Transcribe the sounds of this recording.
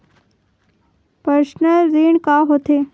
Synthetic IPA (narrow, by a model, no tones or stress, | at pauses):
pəʃnəɾiːɳkaɦot̪ʰe